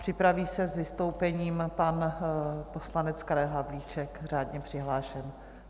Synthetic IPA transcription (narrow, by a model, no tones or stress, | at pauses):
pr̥ɪpɾaviːsɛzvɪst̪o̞wpɛɲiːmpan | poslanɛt͡skaɾɛlɦavliːt͡ʃɛkraːdɲɛpr̝̥ɪɦlaːʃɛm